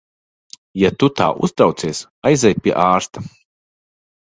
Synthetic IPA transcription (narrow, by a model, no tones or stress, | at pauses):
jat̪ut̪a̰ːʔṵst̪ɾawt̪siɛs | ajzʲɛjpʲiɛ̰ʔaːɾst̪a